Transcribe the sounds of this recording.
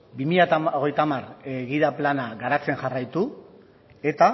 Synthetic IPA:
bimiʎat̪aoɣ̞e̞jt̪amareɣiðaplanaɣaɾat͡se̞nʝarajt̪u | e̞t̪a

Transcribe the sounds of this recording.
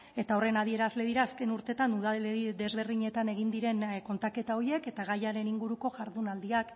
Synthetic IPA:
e̞t̪ao̞re̞naðie̞ɾazle̞ðiɾaːske̞nuɾt̪e̞t̪anuð̞aeiðe̞zβe̞ɾðiɲe̞t̪ane̞ɣind̪iɾe̞nko̞nt̪ake̞t̪ao̞ie̞ke̞t̪aɣajaɾe̞niŋɡuɾuko̞ʝaɾðunald̪iak

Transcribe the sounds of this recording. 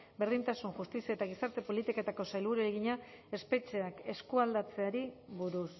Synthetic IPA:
be̞ɾðint̪asunʝust̪isiaet̪aɣ̞isaɾt̪e̞po̞lit̪ikat̪ako̞sajlβuɾeeɣiɲa | e̞spe̞t͡ʃe̞ake̞skuald̪at͡se̞aɾiβuɾus

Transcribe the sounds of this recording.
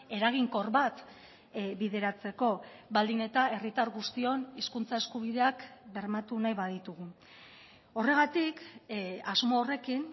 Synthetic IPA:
e̞ɾaɣ̞iŋko̞ɾβat̪ | biðe̞ɾat͡se̞ko̞βald̪ine̞t̪ae̞rit̪aɾɣust̪io̞niskunt͡sae̞skuβ̞iðe̞akbe̞ɾmat̪unajβað̞it̪uɣu | o̞re̞ɣat̪ikazmo̞ːre̞kin

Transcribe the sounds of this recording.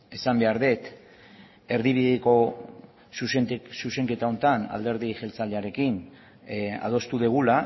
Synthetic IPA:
e̞sambe̞aɾðe̞t̪ | e̞ɾðiβ̞iðeko̞ | sussuse̞ŋke̞t̪ao̞nt̪ana̰ld̪e̞ɾðiʝe̞lt͡saleaɾe̞kin | a̰ð̞o̞st̪uðeɣ̞ula

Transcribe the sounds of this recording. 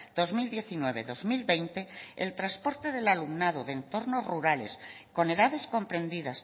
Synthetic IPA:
d̪̥ozmild̪je̞θinweβ̞eðo̞zmilβejnt̪eelt̪ɾaspo̞ɾt̪eðelalumnað̞oðent̪o̞ɾnozruɾales | ko̞ne̞ðaðe̞sko̞mpɾẽ̞nd̪iðas

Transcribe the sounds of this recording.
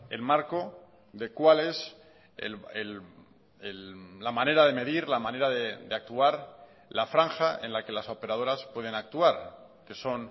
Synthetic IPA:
e̞̰lmaɾko̞ | ðe̞kwale̞s | ḛel | ellamane̞ɾað̞e̞me̞ðiɾlamãne̞ɾaðed̪e̞ak̚t̪uaɾ | lafɾaŋxaʔe̞̰nlake̞laso̞pe̞ɾað̞o̞ɾaspwe̞ðe̞nak̚t̪uaɾ | ke̞so̞n

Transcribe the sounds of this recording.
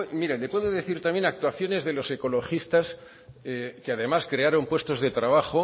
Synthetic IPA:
emiɾalepwe̞ðoðe̞θiɾt̪amje̞nak̚t̪waθjo̞ne̞zðe̞lo̞se̞ko̞lo̞xist̪as | ekeaðe̞maskɾe̞aɾo̞mpwe̞st̪o̞zðe̞t̪ɾaβ̞axo

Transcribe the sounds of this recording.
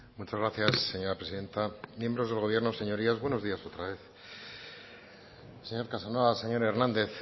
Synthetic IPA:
mut͡ʃazɣɾaθjasːe̞ɲo̞ɾapɾe̞siðe̞nt̪amje̞mbɾo̞zðelɣo̞β̞je̞ɾno̞se̞ɲo̞ɾiazβwe̞no̞zðiaso̞t̪ɾaβe̞θ | se̞ɲo̞ɾkasanwoβase̞ɲo̞ɾe̞ɾnãnd̪e̞θ

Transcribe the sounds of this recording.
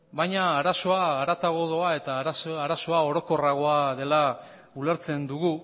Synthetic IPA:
bajɲaːɾaso̞aːɾat̪aɣ̞o̞ðo̞ae̞t̪aɾasaɾaso̞ao̞ɾo̞ko̞raɣ̞o̞aðe̞la | ule̞ɾt͡se̞nd̪uɣ̞u

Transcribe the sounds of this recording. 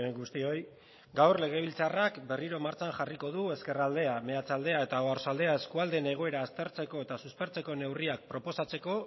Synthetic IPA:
eŋɡust̪io̞j | ɡawrle̞ɣ̞e̞β̞ilt͡sarakbe̞riɾo̞maɾt͡ʃaŋxariko̞ð̞ue̞ske̞rald̪e̞ame̞at͡sald̪e̞ae̞t̪ao̞aɾsald̪e̞ae̞skuald̪e̞ne̞ɣ̞o̞e̞ɾaːst̪e̞ɾt͡se̞ko̞e̞t̪asuspe̞ɾt͡se̞ko̞ne̞wriak̚pɾo̞po̞sat͡se̞ko̞

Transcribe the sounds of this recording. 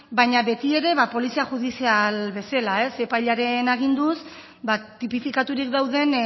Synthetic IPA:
bajɲaβe̞t̪ie̞ɾe̞βapo̞lisiaxuðisialβe̞selae̞se̞pajʎaɾe̞naɣ̞ind̪us | bat̪ipifikat̪uɾikd̪awðe̞n

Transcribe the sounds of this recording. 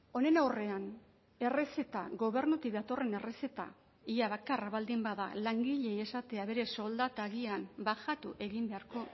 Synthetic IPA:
o̞ne̞nawre̞an | e̞rese̞t̪a̰ɣo̞βe̞ɾnut̪ik̚d̪at̪o̞re̞ne̞rese̞t̪a̰ | iaβakaraβald̪imbaða̰laŋɡiʎe̞je̞sat̪e̞aβe̞ɾe̞so̞ld̪at̪aɣiambaxat̪uʔe̞ɣimbe̞aɾko̞

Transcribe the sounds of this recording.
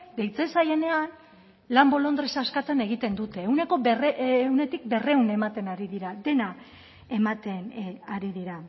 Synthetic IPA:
d̪e̞jt͡se̞saje̞ne̞an | lambo̞lo̞nd̪ɾesaskat̪ane̞ɣ̞it̪e̞nd̪ut̪e̞ːwne̞ko̞rewne̞t̪ik̚be̞re̞une̞mat̪e̞naɾiðiɾad̪e̞na | e̞mat̪enaɾiðiɾa

